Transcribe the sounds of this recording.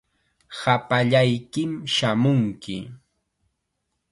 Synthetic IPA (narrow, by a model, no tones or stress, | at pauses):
hapaʎajkɪmʃamʊŋkɪ